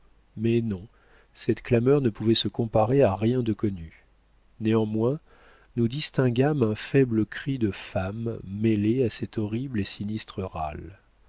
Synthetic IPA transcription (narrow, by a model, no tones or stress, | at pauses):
mɛnɔ̃ | sɛt̪klamœʁnəpuvɛsəkɔ̃paʁeaʁjɛ̃d̪əkɔny | neɑ̃mwɛ̃ | nud̪ist̪ɛ̃ɡamɛ̃fɛbləkχid̪əfamːeleasɛt̪ɔʁiblesinist̪χəʁa̰l